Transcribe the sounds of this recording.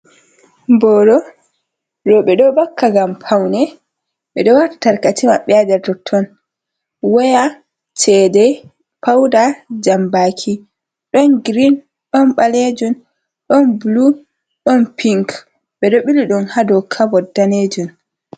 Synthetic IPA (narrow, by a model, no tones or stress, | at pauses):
mbɔːɾɔ | ɾɔɓɛɗɔbakːaɡampʰawnɛ | ɓɛɗɔwaɾtḁtaɾkatimaɓɛadɛtɔtʰːɔn | wɛja | t͡ʃɛdɛ | pʰawdad͡ʒambaːkʰi | ɗɔnɡɾin | ɗɔnɓaled͡ʒun | ɗɔnblu | ɗɔnpʰiŋk | ɓɛɗɔɓiliɗɔnhadɔkʰabɔdaned͡ʒun